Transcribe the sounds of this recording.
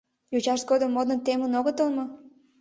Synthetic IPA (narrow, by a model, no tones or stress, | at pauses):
jut͡ɕɑʃt̪̚ɡod̪ə̆mːod̪ə̆nt̪emənoɣət̪əlmɤ